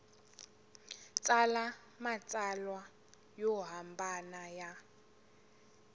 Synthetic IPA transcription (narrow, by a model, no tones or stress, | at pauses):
t͡sʼala | mat͡sʼalwa | jɔɦambanaja